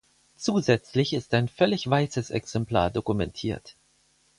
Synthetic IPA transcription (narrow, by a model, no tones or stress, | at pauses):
t͡suːzɛt͡slɪçɪstaɪnfœlɪçv̥aɪsəsɛ̰ksɛmpl̥a̰ːɐdokumɛntʰiːɐt